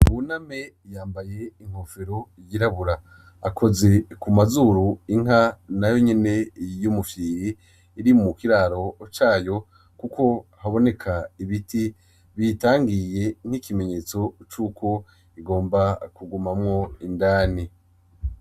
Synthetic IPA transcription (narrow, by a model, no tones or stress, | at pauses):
βuname̞ | jaːmbaje̞iŋ̥ho̞feɾo̞jiɾaβuɾaː | kʰo̞ze̞kumazuɾuiŋ̥anajo̞ɲe̞ne̞jumufiɾiː | ɾimumukiɾaɾo̞t͡ʃaːjo̞ | kukʰo̞haβo̞ne̞kʰaiβiti | βitaːŋɡije̞ŋ̥ikime̞ɲeːt͡so̞t͡ʃuːkʰo̞ | iɡo̞ːmbakuɡumamŋo̞indaːni